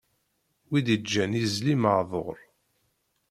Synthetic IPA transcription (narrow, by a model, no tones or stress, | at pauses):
wid̪id͡ʒːænizliməʕðˤo̰ɾˤ